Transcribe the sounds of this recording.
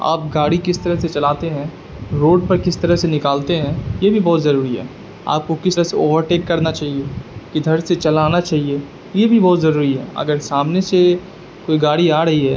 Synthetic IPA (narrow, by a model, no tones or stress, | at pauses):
a̰ːp̚ɡaːɽikɪst̪ɐɾəɦset͡ʃɐlaːt̪eɦɛ̃ː | ɾoːɖ̚pɐɾkɪst̪ɐɾəɦsenɪkaːlt̪eɦɛ̃ːjebʱibɔːt̪zɐɾuːɾiɦɛ̰ː | a̰ːp̚kokɪsəseoːʋəɾʈeːkːɐɾnat͡ʃaːɦiekid̪ʱɐɾset͡ʃɐlaːnat͡ʃaːɦie | jebʱibɔːt̪zɐɾuːɾiɦɛ̰ɐ̰ɡəɾsaːmnese | koːiɡaːɽiaːɾɐɦiɦɛː